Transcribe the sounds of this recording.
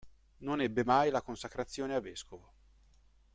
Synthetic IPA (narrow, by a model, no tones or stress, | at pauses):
nonɛbːemajlakonsakɾat̪sːjoːneavːɛskovo